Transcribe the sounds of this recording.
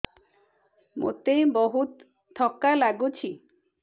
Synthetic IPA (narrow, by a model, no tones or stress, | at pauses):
mo̰t̪ejbɔɦut̪ʰː | ɔkalaɡut͡ʃʰi